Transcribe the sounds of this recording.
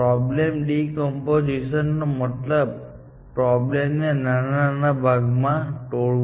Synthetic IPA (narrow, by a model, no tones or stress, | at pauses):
ɾɔblemɗikɔmpod͡ʒiʃənːomət̪ləb | pɾɔblemnenananabʱaɡmãʈoɭ